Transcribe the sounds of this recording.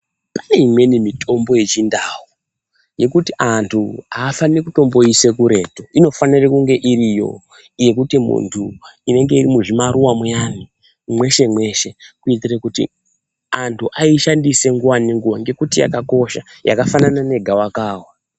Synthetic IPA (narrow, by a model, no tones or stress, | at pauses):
pane̞imwe̞nimitʰo̞mbo̞je̞t͡ʃindawu | je̞kutiʔantʰuaːfaniekuto̞mbo̞ise̞kuɾe̞ːto̞ino̞fanirekuŋɡe̞ʔiɾijo̞̰ | je̞kutimṵntʰuine̞ŋɡe̞irimuʐimaɾuwamujani | mwe̞ʃe̞mwe̞ʃe̞kuitirakutḭ | antʰuʔaiʃandise̞ŋɡuwaniŋɡuwaŋɡe̞kutija̰kako̞ʃaja̰kafananane̞ɡʱawakaːwa